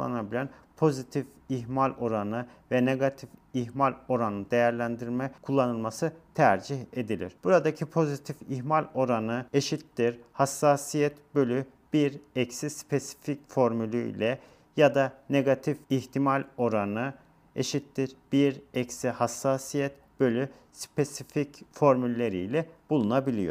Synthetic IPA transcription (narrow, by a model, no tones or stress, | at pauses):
a̰nabilʲænpʰo̞zit̪ʰif | iɦmalʲo̞ɾanɯvɛneɡat̪ʰifiɦmalʲo̞ɾanɯnd̪e̞jæɾlʲænd̪iɾmɛkʰulˠːanɯlˠmasɯt̪ʰæɾd͡ʒiçe̞d̪ilʲḭɾ̥b̥uɾad̪acʰipʰo̞zit̪ʰifiɦmalʲo̞ɾanɯe̞ʃit̪ːiɾhasːaːsijɛt̪bø̞lʲy | b̥iɾɛcsispʰe̞si̥ficfo̞ɾmylʲyḭlʲɛ | jad̪ane̞ɡat̪ʰifiçt̪ʰimalʲo̞ɾanɯ | eʃit̪ːiɾb̥iɾɛcsihasːaːsijɛt̪ | b̥ø̞lʲy | spʰesificfo̞ɾmylʲːe̞ɾḭjlʲɛb̥ulˠunabilʲijo̞̰